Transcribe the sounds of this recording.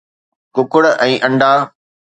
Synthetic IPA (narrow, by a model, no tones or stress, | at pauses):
kʊkʊɽʔɛ̃ːʔɐ̃ɳɖaː